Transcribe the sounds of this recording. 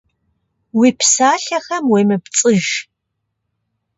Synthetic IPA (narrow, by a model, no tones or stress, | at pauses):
wiːpʰsaːɬɐxɐmweːmɨpt͡sʼɨʒ